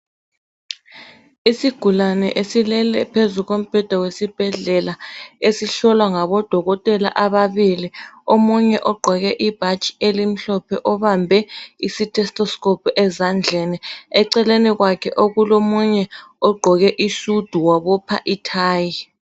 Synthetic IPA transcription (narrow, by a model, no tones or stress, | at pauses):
isiɡ̥ʱulanɛʔesilɛlɛpʰezuɣom̩b̥ʱɛd̥ʱawesib̥ʱɛɮɛlaesiɬɔlwaŋaβɔd̥ʱɔɣɔtʼɛla̰ʔaβaβiliomuɲɛʔɔɡ͡ǃʱɔɣɛʔib̥ʱat͡ʃʼi̥elim̩ɬɔpʰɛʔɔβambʱɛisitʰʼɛstʼɔskʼɔpʰuʔɛzand͡ɮʱɛniɛǀɛleniɣwakʰɛʔoɣulomuɲɛɔɡ͡ǃʱɔɣɛʔisud̥ʱuwaβɔpʰa̰ʔitʰaːji